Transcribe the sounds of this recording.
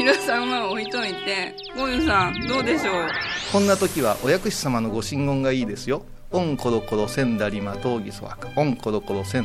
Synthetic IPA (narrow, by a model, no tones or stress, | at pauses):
iɾosãmaoit̪omit̪e | ɡõɲõsãd̪o̞ːd̪e̞ɕo̞ːkõ̞nːat̪o̞kʲiβaʔojakɯ̟ɕi̥samano̞ɡo̞ɕĩŋɡõŋɡaiːd̪e̞sɨjo̞ | õŋko̞ɾo̞ko̞ɾo̞sẽ̞nd̪aɾʲimat̪o̞ːɡʲiso̰βa̰kɯ̥õŋko̞ɾo̞ko̞ɾosẽ̞